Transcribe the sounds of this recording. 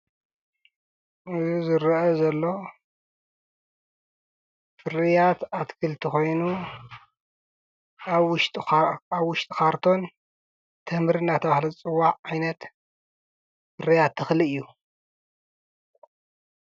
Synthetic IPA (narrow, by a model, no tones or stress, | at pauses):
ʔɨzizɨɾʔɐzɐlːo̞ | fɨɾijat̪at̪kʰɨlt̪ʰixo̞jnu | wʊʃt̪ʼaβwʊʃt̪ʼikaɾt̪ʰo̞n | t̪ʰɨhmɾinːat̪ʰɐβahlɐzt͡sʼɨwːaʕajnɐt̪ | fɨɾijat̪ʰːɨxlɨɨjːu